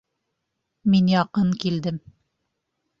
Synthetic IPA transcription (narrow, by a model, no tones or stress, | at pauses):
minjɑqɤɴkild̪ɘm